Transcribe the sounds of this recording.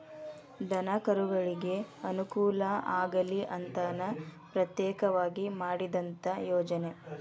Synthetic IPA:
d̪ɐnɐkɐɾuɡɐɭiɡe̞ɐnukuːlɐaːɡɐliʔɐnt̪ɐnɐpɾɐt̪jɛːkɐʋaːɡimaːɽid̪ɐnt̪ɐjɔːd͡ʒɐne̞

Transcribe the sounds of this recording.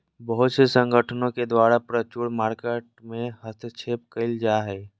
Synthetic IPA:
bəɦʊt̪sesə̃ŋɡʱəʈʰənõked̪waːɾapɾət͡ʃuːɽmaːɾkeʈ̚mẽɦəst̪ʰət͡ʃʰeːpkəɪld͡ʒaːɦɛː

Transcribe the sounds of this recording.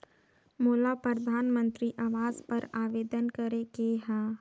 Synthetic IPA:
moːlapɾəd̪ʱaːnmə̃nt̪ɾiʔaʋaːzpɐɾaːʋeːd̪ənkəɾekeɦãː

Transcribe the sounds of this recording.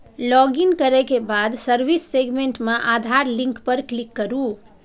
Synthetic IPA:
lɔɡinkəɾɛkebad̪səɾbisːeɡmeɳʈmeʔad̪ʱaɾlĩŋkpəɾklikːəɾu

